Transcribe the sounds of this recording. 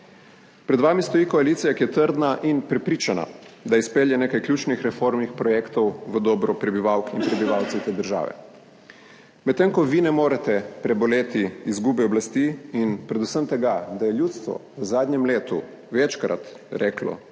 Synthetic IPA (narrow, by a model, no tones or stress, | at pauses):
pɾɛd̪ʋaːmist̪ɔjikɔaliːt̪sijakijɛt̪əɾd̪naʔinpɾɛpɾiːt͡ʃana̰d̪aispeːljɛneːkajklʲjuːt͡ʃnixɾɛfoɾmnixpɾɔjɛkt̪ɔwʋəd̪ɔːbɾɔpɾɛbiʋaːwkinpɾɛbiʋawt̪siwt̪eːd̪əɾʒa̰ːʋɛ̰ | mɛt̪ːeŋkɔʋinɛmoːɾat̪ɛpɾɛbɔleːt̪iizɡuːbɛɔblast̪iinpɾɛd̪usəmt̪ɛɡad̪ajɛljuːt̪st̪ʋɔ̰ʋəzaːd̪ɲɛmleːt̪ṵ | ʋɛt͡ʃkɾa̰t̪ | ɾʔɛːklɔ̰